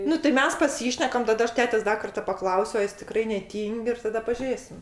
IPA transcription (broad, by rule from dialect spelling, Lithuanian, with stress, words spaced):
ˈnʊ tɐɪ ˈmʲɛs pɐˈsʲiːʃʲnʲɛkɐm tɐˈdɐ ˈɐʃ ˈtʲæːtʲɛs ˈdɐ kɐrtɐ pɐˈklˠɐʊsʲʊ ɐ ˈjɪs tʲɪˈkrɐɪ nʲɛˈtʲiːŋʲkʲ ɪr tɐˈdɐ pɐˈʒʲeːsʲɪm